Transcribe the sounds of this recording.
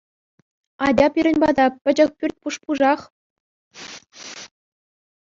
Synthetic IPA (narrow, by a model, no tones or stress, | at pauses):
ɑdʲɑpʲiɾʲɘ̆nʲbɑd̪ɑpʲɘ̆d͡ʑɘ̆k̚pʲyrʲt̚ʲpuʂpuʐɑχ